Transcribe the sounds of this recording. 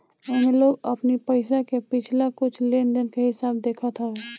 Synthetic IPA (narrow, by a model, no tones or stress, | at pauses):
ɛmẽloːɡəpnipəɪsakepɪt͡ʃʰlakʊt͡ʃʰleːnd̪ɪnkeɦɪsaːbd̪eːkʰət̪ɦɛeː